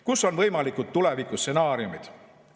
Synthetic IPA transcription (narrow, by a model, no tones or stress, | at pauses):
kuso̞nvɤjmɑlikːˑut̪̚t̪ule̞vikːˑusːe̞nɑːɾiumid̪̥